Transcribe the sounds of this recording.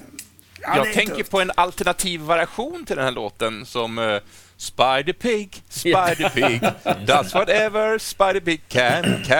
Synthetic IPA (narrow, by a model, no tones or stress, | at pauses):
jɑːɡ̚tʰɛŋkəɾpʰɔɛnalt̪ɛɳat̪ʰiːvːaɾɪaɧuːnt̪ʰɪld̪ɛnhæːɭoːt̪ənsɔm | spaɪd̪əpʰɪɡspaɪdəpʰɪɡd̪at̪swɔɾɛvəɹspaɪdəpɪɡ̚kʰækʰæ